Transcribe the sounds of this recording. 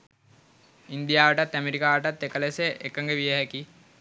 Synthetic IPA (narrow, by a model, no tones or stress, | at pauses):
ind̪ijaːʋəʈat̪ːæmeɾikaːʋəʈat̪ːekəleseʔekːəŋɡeʋijeɦɛki